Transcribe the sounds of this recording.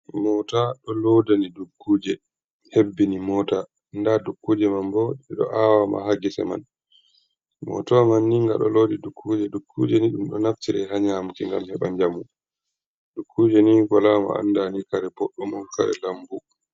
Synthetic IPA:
mɔtaɗɔlodanidukːuːd͡ʒɛ | hebːinimɔta | ndadukːuːd͡ʒɛmambɔɛɗɔ̰ʔawama̰haɡisɛ̰ma̰n | mɔ̰tɔmanːiŋɡaɗɔlodidukʰːud͡ʒɛdukʰːṵːd͡ʒɛniɗumɗɔnaftiɾɛɦaɲamkiŋɡa̰mhɛɓaɲd͡ʒamu | dukːuːd͡ʒɛniɡalama̰a̰ndanikaɾɛpɔɗːɔmulka̰ɾɛ̰lambu

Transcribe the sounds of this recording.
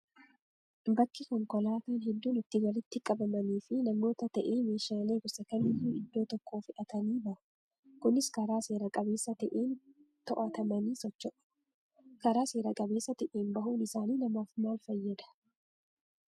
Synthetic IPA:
bɐkːɪkɔŋkɔlaːt̪aːnɦɛd̪ːuːnɪt̪ːɪwɐlɪt̪ːɪkʼɐbɐmɐniːfɪnɐmːo̞ːt̪ɐt̪ɐʔeːme̞ːʃaːleːɡʊsɐkɐnihiːɪd̪ːo̞ːt̪ɔkʰːoːfɪʔɐt̪ɐniːbɐʔʊ̥ | kʊnɪskɐɾaːse̞ːɾɐkʼɐbe̞ːsːɐt̪ɐʔeːn | t̪ɔʔɐt̪ɐmɐniːsɔt͡ʃːɔʔ | kɐɾaːse̞ːɾɐkʼɐbe̞ːsːɐt̪ɛʔeːnbɐhuːnɪsaːniːnɐmaːfmaːlfɐjːɐd̪ɐ̥

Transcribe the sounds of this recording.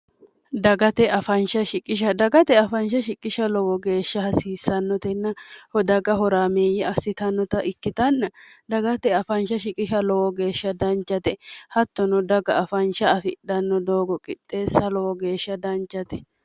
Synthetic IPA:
d̪ɐɡɐt̪ɛʔɐfɐnʃɐʃɪkʼɪʃ̬ɐd̪ɐɡɐt̪ɛɐfɐnʃɐʃɪkʼːɪʃɐlɔwɔɡe̞ːʃːɐhɐsiːsːɐnːɔt̪ɛnːɐhɔd̪ɐɡɐɦɔɾaːmeːjːɛɐsːɪt̪ɐnːɔt̪ɐʔɪkːɪt̪ɐnːɐd̪ɐɡɐt̪ɛɐfɐnʃɐʃɪkʼɪʃɐlɔwɔɡe̞ːʃːɐd̪ɐnt͡ʃːɐt̪ɛhɐt̪ːɔnɔd̪ɐɡɐʔɐfɐnʃɐːfɪɗɐnːɔd̪oːɡɔkʼɪtʼːe̞ːsɐlɔwɔɡe̞ːʃːɐd̪ɐnt͡ʃːɐt̪ɛ̥

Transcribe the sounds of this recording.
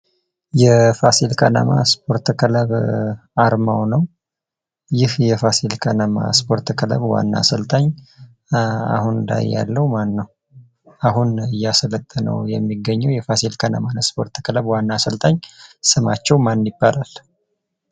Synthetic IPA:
jɛfasilkʰana̰ma̰spʰo̞ɾt̪kʰɨləβ | aɾmawnəw | jɪhjɛfasilkʰanama̰spʰo̞ɾt̪kʰələ̰βwa̰nːa̰səlt̪ʰʼaɲ | a̰hund̪a̰jːa̰lːəwumanːəw | aɦunɨjːasələt̪ʼːənə̰wjɛmːiɡəɲːɛwjɛfasilkʰana̰manspo̞ɾt̪kʰələβwanːasəlt̪ʰʼaɲsɨmat͡ʃːɛwmanjɪbːalal

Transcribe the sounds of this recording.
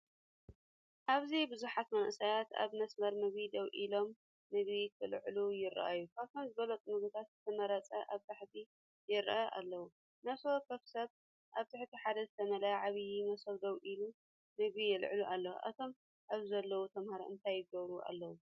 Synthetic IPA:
ʔaβzibɨzuħat̪mɐnʔsajat̪a̰βmɐsmɐɾmɐβid̪ɐwʔilo̞mː | ɨβit̪ʰɨlʕlujɪɾ̰ʔa̰jːukʰaβt̪ʰomzɨβɐlɐt͡s̪ʼumɨβut̪ʰat̪zɨt̪ʰɐmɐɾɐt͡sʼɐʔaβt̪ʰaħt̪ʰi | jɪɾ̰ʔaʔa̰lːɐwu | naso̞kʰɐfsɐβ | ʔaβt̪ʰɨħt̪ʰiħad̪ɐzɨt̪ʰɐmɐlɐjʕaβjimɐsɐβd̪ɐwʔilu | mɨβijɪlʕluʔalːɐw̰ʔa̰t̪ʰo̞m | ʔaβzɐlːɐwut̪ʰɐmhaɾɐ̰ʔɨnt̪ʰajːɪɡɐβɾuʔa̰lːɐwu

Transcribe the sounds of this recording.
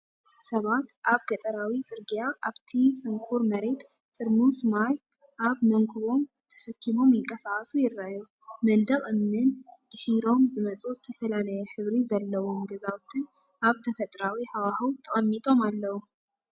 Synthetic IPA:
sɐβat̪ʔaβɡɐt̪ʼɐɾawit͡sʼɨɾɡijaʔaβt̪ʰit͡sʼɨŋkʰuɾmɐɾe̞t̪ | tʼɨɾmusmaj | ʔaβmɐŋkʰuβo̞m | t̪ʰɐ̥sɐkʰːimo̞mjɪŋkʼɐsaχʼɐsujɪrːaju | mɐnd̪ɐkʼɨmnɨnd̪̥ɨħiɾo̞mzɨmɐt͡sʼozɨt̪ʰɐfɐlalɐjɛħɨβɾizɐlːɐwo̞mɡɐzawt̪ʰɨn | aβt̪ʰɐfɐt̪ʼɾawiħawahɐwt̪ʰɐxʼɐmːit̪ʼo̞malːɐwu

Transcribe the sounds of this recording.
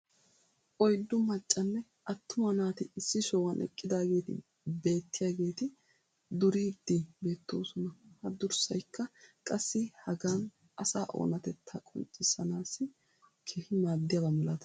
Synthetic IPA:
ʔɔjd̪ːʊmɐt͡ʃʼːɐnːɛ | ʔɐt̪ːʊmɐnaːt̪ɪɪsːɪʃɔwɐnʔɛ̰kʼːɪd̪aːɡe̞ːt̪ɪ̰ | be̞ːt̪ːɪjaːɡe̞ːt̪ɪ | d̪ʊɾiːd̪ːibe̞ːt̪ːo̞̰ːsɔnɐhɐd̪ʊɾsɐjkʰːɐkʼɐsːɪhɐɡaːn | ʔɐsaːʔo̰ːnɐt̪ɛt̪ʰːɐkʼɔ̰nt͡ʃʼːɪsɐnaːsːɪ | kʰeːhɪmaːd̪ːɪjaɡɐmɛlɐt̪ɐ̥

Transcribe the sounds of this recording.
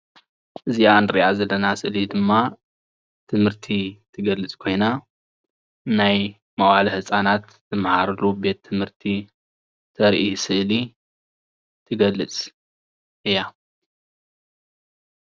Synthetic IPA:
ʔɨzijanɾiʔazɐlːɐnasɨʔlid̪ɨmːa | t̪ʰɨmhɨɾt̪ʰit̪ʰɨɡɐlːɨt͡sʼkʰo̞jna | naj | mɐwalɐhɨsʼanat̪ | zɨmhaɾɨlube̞t̪ʰːɨmhɨɾt̪ʰi | t̪ʰɐɾʔisɨʔli | t̪ʰɨɡɐlːɨt͡sʼ | ʔɨjːa

